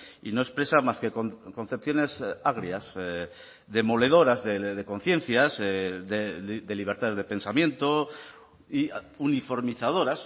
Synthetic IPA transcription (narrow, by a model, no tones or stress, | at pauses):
ḭno̞e̞spɾe̞samaskekoko̞n̟θe̞p̚θjo̞ne̞saɣ̞ɾjas | ðe̞mo̞le̞ð̞o̞ɾazðeðe̞ko̞n̟θje̞n̟θjazðed̪e̞liβ̞e̞ɾt̪aðe̞zðe̞pe̞nsamjẽ̞nt̪o | iunifo̞ɾmiθað̞o̞ɾas